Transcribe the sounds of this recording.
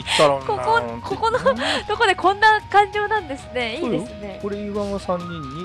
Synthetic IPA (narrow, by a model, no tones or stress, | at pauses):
t̪ːaɾkokokʰokonot̪o̞ko̞d̪e̞kõ̞nːakãɲd͡ʑo̞ːnãnd̪e̞sɨne̞iːd̪e̞sɨne̞koɾeiβãɰ̃asãɲːĩɲːi